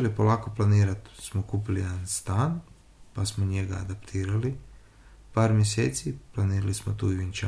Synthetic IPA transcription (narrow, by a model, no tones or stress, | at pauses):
lipolˠaːkoplˠaniːɾat̪smokuːp̬ilijed̪anst̪aːn | pasmoɲeɡa̰ːd̪apt̪ʰiːɾali | paːɾmʲjeseːt̪siplˠaniːɾalismot̪ṵːiʋint͡ʃa